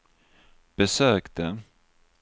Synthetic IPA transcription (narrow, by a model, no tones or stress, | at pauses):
b̥ɛsøːkt̪ə